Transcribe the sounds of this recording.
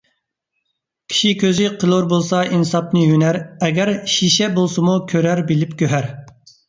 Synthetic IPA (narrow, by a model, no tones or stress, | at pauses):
kʲʰi̥ʃikʲʰøzɪqʰəlˠoɾbolˠsɑinsɑp̚nɨjynæɾɛɡʲæɾʃiʃɛbolˠsɨmukʲʰøɾæɾbɪlɪpkʲʰøɦæɾ